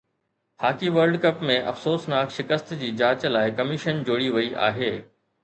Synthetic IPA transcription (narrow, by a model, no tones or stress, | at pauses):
haːkiʋɐɾɖkɐpmẽʔɐ̰fsoːsnaːkʃɪkəst̪d͡ʑiːd͡ʑaːt͡ɕlaːɪkɐmɪʃənd͡ʑoːɽiʋɐiʔa̰ːɦeː